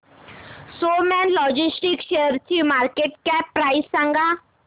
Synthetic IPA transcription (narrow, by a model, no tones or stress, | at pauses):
somɛnlɔd͡ʑisʈikɕeəɾt͡ɕimaɾkeʈkɛppːɾaissãŋɡa